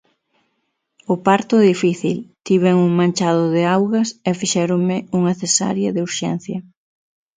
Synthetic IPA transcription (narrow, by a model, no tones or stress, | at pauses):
ʊpaɾt̪ʊðifiθḭlt̪iβeŋuŋmãnt͡ʃað̞ʊðɪawɣɐsɛfiʃɛɾʊŋmɪuŋɐθesa̰ɾjɐðeuɾʃɛ̰n̟θjɐ